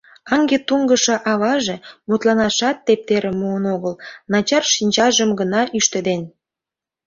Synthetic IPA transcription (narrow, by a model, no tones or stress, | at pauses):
ɑŋɡet̪uŋɡəʃɤ̆ʔɑβɑʒemut̪lɑnɑʃɑt̪ːep̚t̪eɾĕmuənoɣəlnɑt͡ɕɑrʃinʲt͡ɕɑʒəmɡənɑʔyʃt̪ed̪en